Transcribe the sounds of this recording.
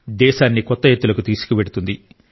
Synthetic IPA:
d̪ɛːʃaːnːikɔt̪ːɐɦet̪ːulɐkut̪iːsu̥kuʋeɽut̪und̪i

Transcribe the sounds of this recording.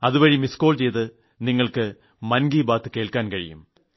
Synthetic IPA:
ɐðɯʋɐɻimiskoːlt͡ɕejðɨ | nɪŋːɐɭkɨ | mɐnɡiːbaːt̪ːɨkeːɭkaːnkɐɻɪ̰jɯ̰m

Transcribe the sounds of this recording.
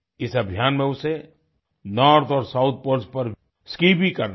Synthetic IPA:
ɪsɐbʱijaːnmẽʊse | nɔːɾt̪ʰɔːɾsaʊt̪̚ʰpoɾspɐɾ | skiːbʱikɐɾn

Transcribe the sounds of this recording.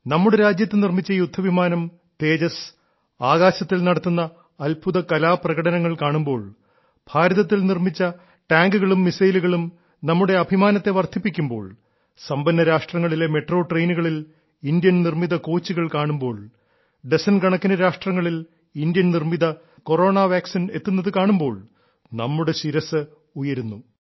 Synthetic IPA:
nɐmːuɽeɾaːd͡ʑjɐt̪ːɨnirmit͡ɕːɐjud̪ʱːɐʋʱimaːnɐm | t̪e̞ːd͡ʑɐs | aːɣaːɕɐt̪ːilnɐɽɐt̪ːunːɐː | lbʰʱuðɐkɐlaːprɐɣɐɽɐnɐŋːɐɭkaːɳumbo̞ːɭ | bʱaːɾɐðɐt̪ːilnirmit͡ɕːɐ | ʈaːŋɡuɣɐɭumːisɐjluɣɐɭum | nɐmːuɽe̞ɐbʱimaːnɐt̪ːe̞ʋɐrt̪ipːikʲːumbo̞ːɭ | sɐmbɐnːɐɾaːʂʈrɐŋːɐɭile̞me̞ʈro̞ːʈrejnuɣɐɭil | ind̪jɐnnirmiðɐko̞ːt͡ɕːiɣɐɭkaːɳumbo̞ːɭ | ɖesɐnɡɐɳɐkːinɐɾaːʂʈrɐŋːɐɭil | ind̪jɐnnirmiðɐ | ko̞ro̞ːɳaːʋaːksine̞t̪ːunːɐðɨkaːɳumbo̞ːɭ | nɐmːuɽe̞ɕiɾɐsɨ | ujɐɾunːu

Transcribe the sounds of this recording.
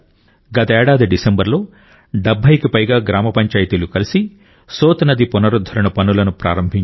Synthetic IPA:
ɡɐt̪ɐɛːɽaːd̪iɖisembɐɾlo̞ː | ɖɐbʱɐjkipɐjɡaːɡɾaːmɐpɐɲt͡ʃaːjit̪ilukɐlisi | soːt̪nɐd̪ipunɐɾud̪ʱːɐɾɐɳɐpɐnulɐnupɾʔa̰ːɾɐmbʱiɲ

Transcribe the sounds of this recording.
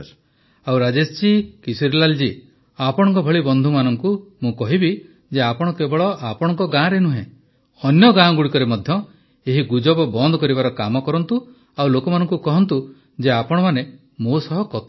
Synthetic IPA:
awɾad͡ʒest͡ʃikisiɾlald͡ʒi | apɔɽɔ̃ŋkɔbʱɔɭibɔnd̪ʱumanɔŋkumũkɔɦibi | d͡ʒeapɔɽ̃ɔkebɔɭɔapɔɽ̃ɔŋkɔɡãɾenuɦẽ | ɔnjɔɡãɡuɽikɔɾemɔd̪ʱjɔ | eɦiɡud͡ʒɔbɔbɔnd̪ʱɔkɔɾibaɾɔkamɔkɔɾɔnt̪u | awlokɔmanɔŋkukɔɦɔnt̪u | d͡ʒeapɔɽ̃ɔmane | mosɔɦɔkɔt̪

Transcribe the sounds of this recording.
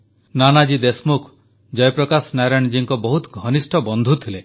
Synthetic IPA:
nanad͡ʒid̪esmukʰ | d͡ʒɔjpɾɔkasnaɾañd͡ʒiŋkɔbɔɦut̪ɡʱɔnisʈʰɔbɔnd̪ʱut̪ʰile

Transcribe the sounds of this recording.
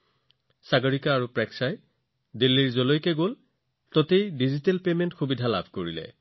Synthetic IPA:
saɡɔɹikaːɹupɹɛksaj | dilːiɹzolojkɛɡol | totejdizitɛlpementxubidʱala̰bʱkoɹilɛ̰

